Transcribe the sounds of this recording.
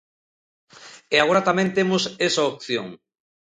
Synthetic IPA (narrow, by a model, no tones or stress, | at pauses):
eaɣoɾat̪amẽnt̪emosesaok̚θjo̰ŋ